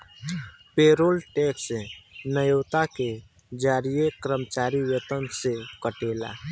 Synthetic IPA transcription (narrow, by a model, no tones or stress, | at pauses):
peːɾoːlʈeːksnəjoːt̪ake | d͡ʒaːɾijekɾəmt͡ʃaːɾiwjət̪ənsekəʈeːla̰